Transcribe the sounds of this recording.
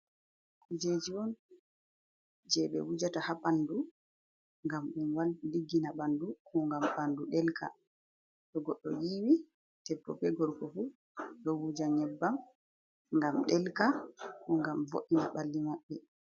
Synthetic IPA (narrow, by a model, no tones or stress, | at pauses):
kud͡ʒed͡ʒiwɔn | d͡ʒɛɓɛ̰wud͡ʒatahapandu | ŋɡamɗunwalliɡːinaɓandukɔŋɡamɓanduɗɛlkʰa̰ | ɗɔɡɔɗːɔjiːwi | tɛpːɔ̰pɛɡɔɾkɔfu | ɗɔwud͡ʒaɲɛbːam | ŋɡamɗɛlkakɔŋɡamvo̰ʔinaɓalːimaɓːɛ